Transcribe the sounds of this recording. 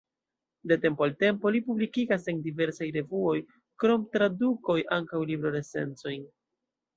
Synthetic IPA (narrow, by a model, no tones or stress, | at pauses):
de̞te̞mpoalte̞mpo̞lipublikiɡaseŋdive̞ɾsajɾe̞vuo̞j | kɾo̞mtɾaduko̞jʔaŋkawlibɾo̞ɾe̞se̞̰nt͡so̞jn